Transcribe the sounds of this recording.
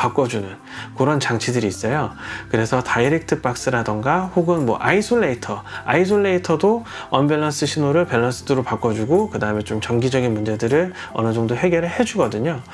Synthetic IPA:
pak͈ʌd͡ʑunɯn | kɯɾʌnt͡ɕaŋt͡ɕʰidɯɾiːs͈ʌjokɯɾe̞sʰʌtaiɾik̚tʰɯp͈ak̚s͈ɯɾadʌŋɡahoɡɯnmwʌʔaisʰoɭːeitʰʌais̬ʰoɭːeitʰʌdoʌnbe̞ɭːʌns͈ɯɕʰinoɾɯɭpe̞ɭːʌns͈ʰɯdɯɾopak͈ʌd͡ʑuɡokɯdaɯme̞t͡ɕomt͡ɕʌŋɡid͡ʑʌɡinmund͡ʑe̞dɯɾɯɭ | ʌ̰nɯd͡ʑʌŋdoɦe̞ɡjʌɾɯɭhe̞d͡ʑuɡʌdɯɲo

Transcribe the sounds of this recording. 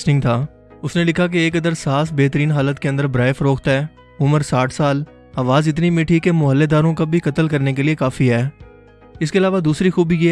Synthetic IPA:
snɪ̃ŋɡt̪ʰaː | ʊsnelɪkʰak̬eeːkɐd̪əɾsaːsbeːt̪əɾiːnɦaːlət̪keɐ̃nd̪əɾbɾaːjfəɾoːkt̪ɦɛː | ʊməɾsaːʈʰsaːl | aːʋaːzɪt̪nimiːʈʰikemʊɦəlːed̪aːɾõkabʱikɐt̪əlkɐɾnek̬eliekaːfiɦɛː | ɪskeɐlaːʋad̪uːsɾixuːbʱije

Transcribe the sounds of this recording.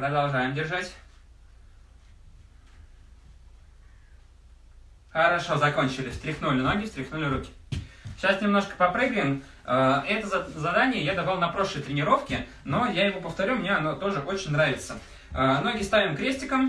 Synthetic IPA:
pɾəd̪ɐlˠʐajɪmdʲɪrʐatʲ | xəɾɐʂo̞zɐko̞nʲt͡ɕɪlʲɪst̪ɾʲɪxnulʲɪno̞ɡʲɪst̪ɾʲɪxnulʲɪɾukʲɪ̥ɕasnʲɪmno̞ʂkə̥pɐpɾɨɡɾəɪm | əɛt̪əzzɐd̪anʲɪjəjad̪ɐvalˠnɐpɾo̞ʂlˠəjt̪ɾʲɪnʲɪɾo̞fkʲɪ | no̞jajɪvopəft̪ɐɾʲumnʲeɐnot̪o̞ʐɨʔot͡ɕɪnʲnɾavʲɪt̪sə | əno̞ɡʲɪst̪avʲɪmkɾʲesʲtʲɪkəm

